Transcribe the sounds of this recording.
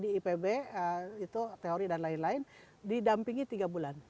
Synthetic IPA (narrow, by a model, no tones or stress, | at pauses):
diːpebeəit̪ut̪eoɾidanlaɪnlaɪn | didampiŋit̪iɡabulan